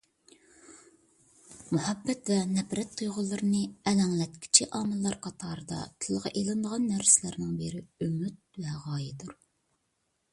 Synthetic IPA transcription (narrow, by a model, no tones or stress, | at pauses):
muhɛbːɛt̪vɛnɛpɾɛt̪̚t̪ʰujʁʊlˠːɨɾɨnɨɛlɛŋlɛt̪̚kʲʰɪ̥t͡ʃʰiʔɑːmɨlˠːɑɾqʰɑt̪ʰɑːɾɨd̪ɑ̰t̪ʰɪlˠʁɑ̰ʔelˠɨnd̪əʁɑnːæɾsɪlæɾnɪŋbeɾɪømyt̪̚vɛʁɑːjid̪uɾ